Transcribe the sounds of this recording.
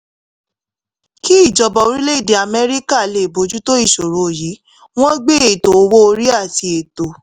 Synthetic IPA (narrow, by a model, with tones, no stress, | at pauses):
ki˦i˦˨d͡ʒɔ˧bɔ˨o˨˦ɾĩ˦le˦i˦˨di˨a˨mɛ˦ɾi˦ka˦˨le˨bo˨˦d͡ʒu˦to˦i˦˨ʃo˨ɾo˨˦˨ji˨˦ | w̃ɔ̃˦ɡ͡be˦e˨to˨o˧˦wo˦o˧ɾi˦a˦˨ti˧e˨to˨